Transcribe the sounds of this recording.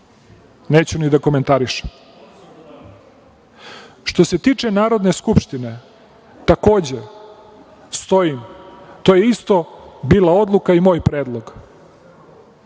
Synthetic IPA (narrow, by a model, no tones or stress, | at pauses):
neːt͡ɕunid̪ako̞me̞nt̪aɾiʃe̥m | ʃt̪o̞set̪iːt͡ʃenaːɾo̞d̪ne̞skupʃt̪ine̞ | t̪ako̞ːd͡ʑe | st̪o̞jimt̪o̞ːjeist̪o̞biːlˠao̞d̪lˠukaimo̞ːjpɾeːd̪lˠo̞ɡ